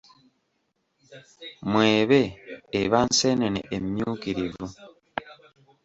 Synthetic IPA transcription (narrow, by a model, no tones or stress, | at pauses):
mweːβeːβansenenḛʔemjuːkiɾivu